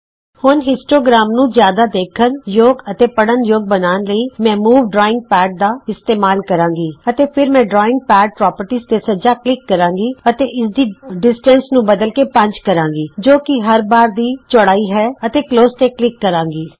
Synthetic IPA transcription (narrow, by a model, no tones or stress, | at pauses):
hʊnɦɪsʈɾoːɡɾaːmnũːzjaːd̪aːd̪eːkʰənjoːɡət̪eːpəɽənjoːɡ̚bənaːnləiːmɛ̃ːmuːʋɖɾɔːɪ̃ŋɡ̚pɛːɖ̚d̪aːɪst̪eːmaːlkəɾãːɡiːət̪eːpʰɪɾmɛ̃ːɖɾɔːɪ̃ŋɡ̚pɛːɖ̚pɾɔːpəɾʈiːzt̪eːsəd͡ʒaːklɪkːəɾãːŋɡiːət̪eːʔɪsd̪iːɖɪsʈə̃nsnũːbəd̪əlkeːpə̃ɲt͡ʃkəɾãːŋɡiːd͡ʒoːkɪɦəɾbaːɾd̪iːt͡ʃəɽaːiːɦɛːət̪eːkloːst̪eːklɪkːəɾãːŋɡiː